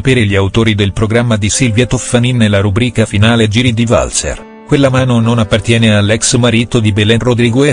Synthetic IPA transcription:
apeːɾeʎiawt̪oːɾid̪elpɾoɡɾamːad̪isilvjɛt̪ofaninːelːaɾubɾiːkafinaːled͡ʒiːɾid̪iva̰lsḛr | kwelːamaːnononapːart̪jɛːnealːɛksmaɾiːt̪od̪ibelɛnrod̪ɾiɡoe

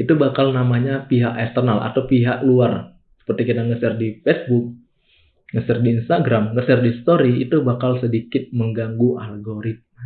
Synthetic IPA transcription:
it̪ubakalnamaɲapiɦaʔɛst̪ərnalʔa̰t̪awpiɦaʔluar | sə̥pərt̪ikid̪aŋəsɪrdifɛsbʊk̚ | ŋəsɪrdiːnst̪aɡɾamŋəsɪrdist̪oɾiit̪ubakalsədikɪt̪̚məŋɡaŋɡuʔalɡoɾit̪̚mə

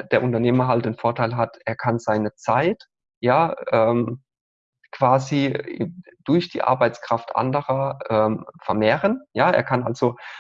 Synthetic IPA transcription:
d̥eːɐʔʊntɐneːmɐɦaltd̥eːnfoːɐtʰaɪlɦatʔeːɐkʰanzaɪnət͡saɪt | jaːʔɛːm | kv̥aːzḭ | d̥ʊɐçd̥ḭːʔa̰ɐbaɪt͡skʁ̥aftʔa̰ndəʁɐʔɛːmfɛɐmeːʁənjaːḛːɐkʰanʔalz̥o

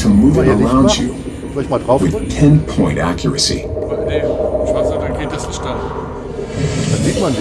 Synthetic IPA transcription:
tʰəmuvɨ̃nəɹãʊ̃nd͡ʒɨ | wɨð̥tʰɛ̃npʰɔ̃ɪ̃ntæ̰kʰjə˞ɨsḭ

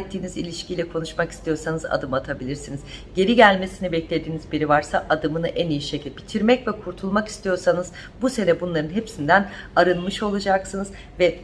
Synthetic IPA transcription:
t̪ʰːiːnizilʲiʃcʰilʲɛkʰo̞nuʃmaki̥st̪ʰijo̞ɾsanɯza̰d̪ɯmat̪ʰabilʲiɾsinizɟe̞ɾiɟælʲme̞sinibɛclʲe̞d̪iːnizbiɾivaɾsaʔad̪ɯmɯnɯʔænijiʃecʰilʲbit̪ʰiɾmɛcvɛkʰuɾt̪ʰulˠmaki̥st̪ʰijo̞ɾsanɯz̥ | buse̞nɛbunlˠaɾɯnɦepsind̪ænaɾɯnmɯʃo̞lˠad͡ʒaksɯnɯz | vɛ

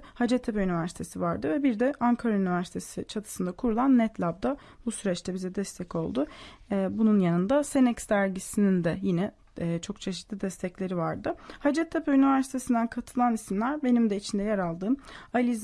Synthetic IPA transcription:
had͡ʒɛt̪ʰːepɛynivæɾsi̥t̪ʰesivaɾd̪ɯvɛbiɾd̪ɛʔaŋkʰaɾaynivæɾsit̪ʰesit͡ʃʰat̪ʰɯ̥sɯnd̪akʰuɾulˠanːɛt̪ʰlʲab̚d̪a | busyɾɛt͡ʃt̪ʰɛbizɛd̪ɛst̪ʰɛco̞lˠd̪ʊbununjanɯnd̪asenɛcsd̪æɾɟisinind̪ɛjinɛː | t͡ʃʰo̞kt͡ʃʰe̞ʃi̥t̪lʲid̪ɛst̪ʰɛclʲe̞ɾivaɾd̪ɯhad͡ʒɛt̪ʰːepɛynivæɾsit̪ʰe̞sind̪ænkʰat̪ʰɯlˠanisimlʲæɾbe̞nimd̪ɛit͡ʃʰind̪ɛjaɾalˠd̪ɯːmalʲiz

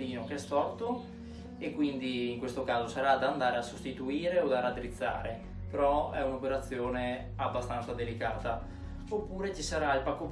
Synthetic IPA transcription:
liːnokeɛst̪ɔrt̪o | ekwind̪iːŋkwest̪okaːzosaɾad̪aːnd̪aːɾeasost̪it̪uiːɾeod̪arat̪ɾit̪sːa̰ːɾe | peɾɔɛunopeɾat̪sːjoːne | abːast̪ant̪sad̪elikaːt̪a | opːuːɾet͡ʃisaɾailpakːop

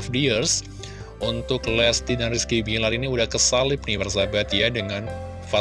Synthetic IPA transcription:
fdiərs | ʔunt̪ʊklɛst̪idanriskibilaɾiniudahkəsalɪp̚nɪbərs̬abat̪jadəŋan | fa

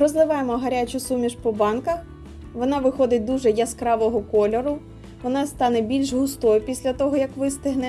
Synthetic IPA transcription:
ɾɔzlˠɪʋɑjemɔɦɐɾʲat͡ʃʊsumʲiʃpɔbɑnkɐ | ʋɔnɑʋɪxɔd̪ɪt̚ʲd̪uʒɛjɐskɾɑʋɔɦɔkɔlʲɔɾʊ | ʋɔnɑst̪ɑnɛbʲilʲʃɦʊst̪ɔjʊpʲisʲlʲɐt̪ɔɦɔjɐkʋɪst̪ɪɦnɛ

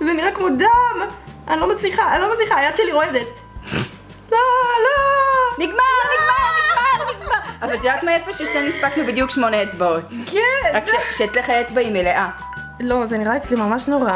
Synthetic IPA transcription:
zeniʁakmod̪amʔanilomasliχaanlomasliχaːjad̪ʃeliʁoed̪et̪ | loloniɡmaʁniɡmaʁniɡmaʁniɡmaavalʃeʁakmaefeʃeʃnenispaknubid̪jukʃmoneett͡sbaotkɛʁakʃʃeʃeːt͡sleχajet͡sbaimeleʔa | lo̞zeniʁaet͡slimamaʃno̞ʁa

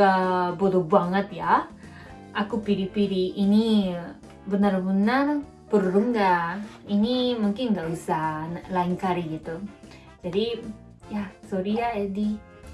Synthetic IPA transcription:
abodɔbaŋət̪ja | akupiɾipiɾiːni | bənərbənər | pərːumɡaʔ | inimuŋkɪnɡaʔusahnlaiŋkaɾiɡit̪u | d͡ʒadi | jasoɾiaadi

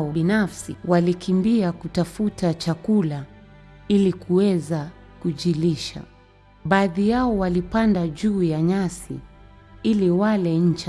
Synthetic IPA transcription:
ɔinafsiwalikimbiakutafutat͡ʃakula | ilikʰuwɛza | kuʄiliʃa̰ | ɓaːðijaɔwalipandaʄuːjaɲasḭ | iliwalɛɲ̩t͡ʃ

